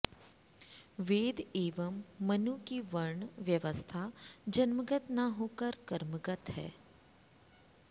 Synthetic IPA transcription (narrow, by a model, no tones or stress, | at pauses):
ʋeːd̪eːʋəmːɐnukiʋəɾɳʋjəʋəst̪ʰad͡ʒɐnməɡət̪naɦoːkəɾkəɾməɡət̪ɦɛ̰ː